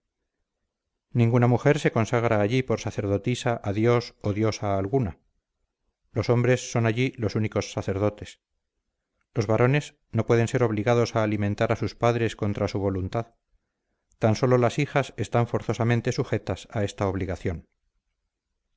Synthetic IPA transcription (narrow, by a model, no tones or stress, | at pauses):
nĩŋɡunamuxe̞ɾse̞konsaɣɾaːʎipo̞ɾsaθe̞ɾðo̞t̪isaʔaðjo̞soðjo̞saːlɣuna | lo̞so̞mbɾe̞sːo̞naʎilo̞suniko̞sːaθeɾð̞o̞t̪e̞s | lo̞zβaɾo̞ne̞s | no̞pwe̞ð̞e̞nse̞ɾo̞βliɣaðo̞saːlimẽnt̪aɾasuspaðɾe̞sko̞nt̪ɾasuβ̞o̞lunt̪að | t̪anso̞lo̞lasixasest̪aɱfo̞ɾθo̞samẽ̞nt̪e̞suxe̞t̪asae̞st̪aoβliɣaθjo̞n